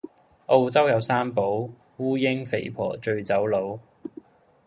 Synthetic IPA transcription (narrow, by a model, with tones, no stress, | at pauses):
ʔo˧wt͡sɐ˥wjɐ˨˧wsaː˥mpo˨˥w | wuː˥jɪ˥ŋfḛ˨˩jpʰɔ̰ː˨˩t͡ʃɵ˧ɥt͡sɐ˨˥wlo˨˥w